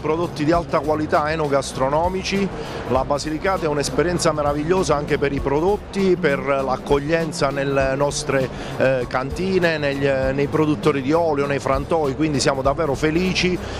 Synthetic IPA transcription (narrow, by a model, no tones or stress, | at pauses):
pɾod̪ot̪ːid̪ialt̪akwalit̪aɛnoɡast̪ɾonɔːmit͡ʃi | labazilikaːt̪aɛunɛspeɾjɛnt̪sameɾaviʎːoːzaaŋk̟epeɾipɾod̪ot̪ːiperlakːoʎːɛnt̪sanelenɔst̪ɾe | kant̪iːneneʎnejpɾod̪ut̪ːoːɾid̪iɔːljonejfɾant̪ɔjkwind̪isjaːmod̪avːɛːɾofeliːt͡ʃi